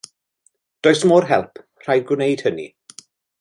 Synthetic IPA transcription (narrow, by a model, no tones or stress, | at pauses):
d̥oːjsmoːrɦɛlˠpʰ | r̥ajdɡwɪnejd̥hənḭ